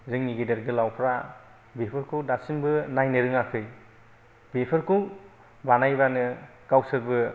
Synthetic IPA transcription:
zɯŋniɡideɾɡɯlawpʰɾa | bepʰɯɾkʰuwdasimbɯnajnɯɾɯŋakʰɯj | bepʰɯɾkʰuw | banajbanɯ | kawsɯɾbɯ

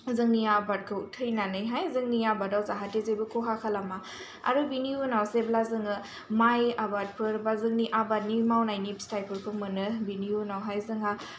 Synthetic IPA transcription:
zɯŋniabat̚kʰɯutʰɯjnanɯjɦajzɯŋniabadawzaɦatezebɯkʰoɦakʰalama | a̰ɾubiniunawseblazɯŋɯ | majabat̚pʰɯɾbazɯŋniʔabat̚nimawnajnibstajpʰɯɾkʰɯmɯnɯbiniunawɦajzɯŋa

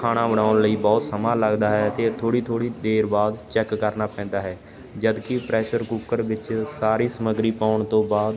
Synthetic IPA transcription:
kʰaːɽaːbəɽaːʊnləiːbɔːt̪səmaːləɡd̪aːɦɛːət̪eːt̪ʰoːɽiːt̪ʰoːɽiːd̪eːɾbaːd̪t͡ʃɛːkːəɾnaːpɛ̃ːnd̪aːɦɛː | d͡ʒəd̪kɪpɾɛːʃəɾkuːkəɾʋɪt͡ʃsaːɾiːsəməɡɾiːpaːʊɳt̪õːbaːd̪

